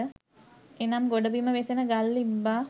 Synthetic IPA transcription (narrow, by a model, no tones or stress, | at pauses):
ə | enamɡoɖəbiməʋesenəɡalːibːaː